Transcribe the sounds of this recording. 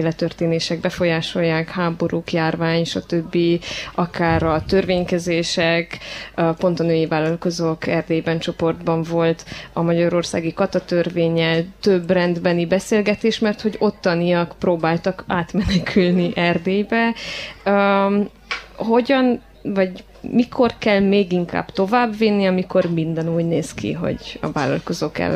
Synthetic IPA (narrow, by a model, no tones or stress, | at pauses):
eːlɛt̪ørt̪eːneːʃɛɡ̚bɛfo̞jaːʃo̞jːaːkhaːbo̞ɾukjaːrvaːɲʃɒt̪øbːiɒkaːɾɒt̪ørveːɲkɛzeːʃɛkpo̞n̪t̪ɒnøːjivaːlːɒlko̞zokɛrd̪eːbɛnt͡ʃo̞po̞rd̪bɒɱvo̞lt̪ɒmɒɟɒɾo̞rsa̰ːɡikɒt̪ɒt̪ørveːɲɛlt̪øbːrɛnd̪bɛnibɛseːlɡɛt̪eːʃmɛrt̪ho̞ɟo̞t̪ːɒniɒkproːbaːlt̪ɒkaːt̪mɛnɛkʰylniʔɛrd̪eːjbɛø | ɦo̞ɟɒn | vɒɟ | mikʰo̞rkɛlmeːɡiŋka̰ːb̥t̪o̞vaːbvinːiɒmiko̞rmind̪ɛnuːɟneːskʰḭɦo̞̰ɟɒ̰vaːlːɒ̰lko̞zoːkɛ̰lː